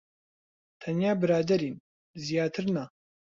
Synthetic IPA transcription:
tʰɐnjaːbɨɾaːd̪ɐɾiːn | zijaːt̪ʰɨrna

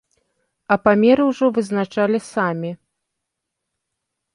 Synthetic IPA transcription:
ɐpamʲɛɾɨwʐɔvɨznat͡ʂalʲisamʲi

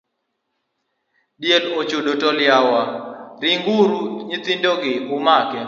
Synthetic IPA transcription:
djelot͡ʃodotɔljawaɾɪŋɡuɾuɲɪt̪indoɡɪumakɛ

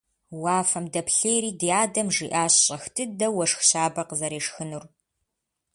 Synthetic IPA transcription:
waːfɐmdɐpɬeːjɾiːdijaːdɐmʐiːʔaːɕɕʼɐxtʰɨdɐwɐʂxɕaːbɐqəzɐɾeːʂxɨnur

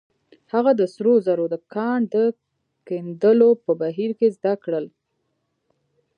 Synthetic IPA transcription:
haɣad̪əsɾozaɾod̪əkɑɳd̪ə | kend̪əlopəbaɦiɾkezd̪akɽəl

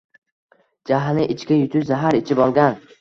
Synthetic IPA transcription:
d͡ʒaɦnɪʔɪt͡ʃkʲajʊt̪ʰʊʃzaɦaɾɪt͡ʃʰɪbɒlˠɡʲan

